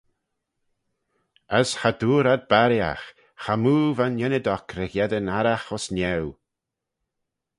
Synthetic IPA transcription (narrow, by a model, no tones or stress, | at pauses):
əshad̪uːɾad̪̚baɾja̰x | xamuːvanjɛnəd̪ɔkɾɛɣjɛd̪ənaɾaxɔsnɛw